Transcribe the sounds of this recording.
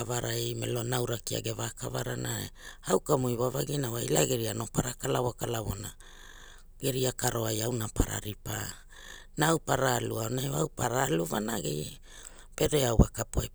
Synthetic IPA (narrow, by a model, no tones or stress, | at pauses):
avaɾaejmḛlo̞nawɾakia̰ɡevakava̰ɾanʔaḛawkamujβavaɡinawajlaeɡeɾiano̞paɾakalaβokalaβo̞̰na | ɡe̞ɾiakaɾo̞ajawnapaɾa̰ɾipa | nawpaɾaluaonaewawpaɾaluvanaɡḛj | peɾeawβakapuaj